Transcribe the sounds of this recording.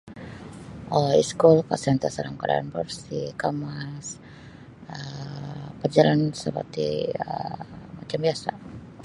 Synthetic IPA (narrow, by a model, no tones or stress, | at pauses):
ʔɔiskulkasant̪asaɾaŋkaɾaa̰nbɔrsikamas | ə | pəd͡ʒalansəpə̰rt̪ḭə̰mat͡ʃambiasa̰